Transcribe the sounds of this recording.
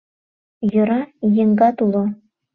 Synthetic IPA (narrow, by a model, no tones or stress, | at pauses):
jɤ̆ɾɑjĕŋɡɑt̪ulˠŏ